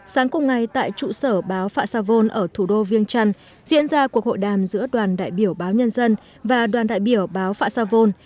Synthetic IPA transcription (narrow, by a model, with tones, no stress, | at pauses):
saː˨˦ŋkʊ˨˩ŋ͡mŋa˨˩jt̪a̰ː˧˨jt͡ɕṵ˧˨səː˧˩ɓaː˨˦wfaː˧˩t̚saː˧vo˧nʔəː˧˩t̪ʰu˧˩ɗo˧vi˧əŋt͡ɕa˧ŋ | zḭ˧˥ənzaː˧ku˨˩ək̚ho̰˧˨jɗaː˨˩mzɨ̰˧˥əɗwaː˨˩nɗa̰ː˧˨jɓi˧˩əwɓaː˨˦wɲə˧nzə˧n | vaː˨˩ɗwaː˨˩nɗa̰ː˧˨jɓi˧˩əwɓaː˨˦wfaː˧˥saː˧vo˧n